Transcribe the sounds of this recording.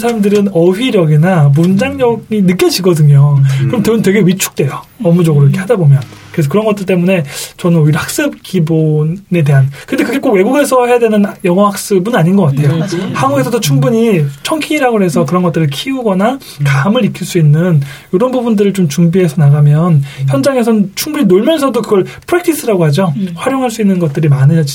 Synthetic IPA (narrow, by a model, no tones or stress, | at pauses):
sʰaɾamdɯɾɯnʌɥiɾjʌɡinamund͡ʑaŋɲʌɡinɯk͈jʌd͡ʑiɡʌdɯɲokɯɾʌmtɯɯntwe̞ɡe̞ɥit͡ɕʰu̥k̚t͈we̞jʌʌmud͡ʑʌɡɯɾoɾkʰehʰadabomjʌnkɯɾesʰʌkɯɾʌnɡʌt͈ɯɭt͈emune̞t͡ɕʌnɯnoiɾhak̚s͈ɯb̚kibonne̞t̬e̞ɦankɯnde̞kɯɡe̞k͈oɡwe̞ɡuɡe̞sʰʌɦe̞jadwe̞nɯnjʌŋʌhak̚s͈ɯbɯnaɲinɡʌk͈atʰe̞johaɡuɡe̞sʰʌdot͡ɕʰuŋbuɲit͡ɕʰʌŋkʰiiɾaɡoɦe̞sʰʌkɯɾʌnɡʌt͈ɯɾɯɭkʰiuɡʌna | kamɯɾikʰiɭs͈uinːɯnjoɾʌnbubundɯɾɯɭt͡ɕomt͡ɕuŋbiɦe̞sʰʌnaɡamjʌnçjʌnd͡ʑaŋe̞sʰʌt͡ɕʰuŋbuɲinoɭmjʌnsʰʌdokɯɡʌɭpʰɯɾek̚tʰis͈ʰɯɾaɡoɦad͡ʑoɸwaɾjoŋɦaɭs͈uinːɯnɡʌt̚t͈ɯɾimanɯɲʌd͡ʑ